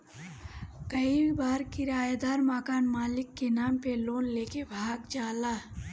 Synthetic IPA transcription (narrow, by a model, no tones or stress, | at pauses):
kəibaːɾkiɾaːjad̪aːɾmakaːnmaːlɪkːenaːmpeloːnleːkebʱaːɡd͡ʒaːlaː